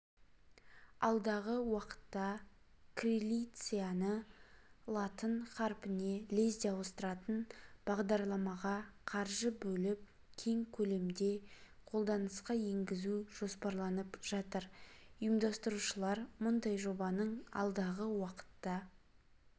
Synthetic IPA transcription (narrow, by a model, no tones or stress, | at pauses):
ɑlˠd̪ɑʁəwɑqə̥t̪ːɑ | krʲilʲijt̪sɨjanə | lˠɑt̪ənχɑɾpɪne̞le̞zd̪eɑwəst̪əɾɑt̪ənb̥ɑʁd̪ɑɾlˠɑmɑʁɑqʰɑɾʒəbɵlɪp̚ | kʲʰe̞ŋkʲʰɵle̞md̪e̞qʰo̞lˠd̪ɑnəsqɑje̞ŋɡʲɪzuʒ̥o̞spɑɾlˠɑnəpʒ̥ɑt̪əɾʊjəmd̪ɑst̪əɾuʃəlˠɑɾmʊnd̪ɑjʒo̞bɑnəɴɑ̰lˠd̪ɑʁəwɑqə̥t̪ːɑ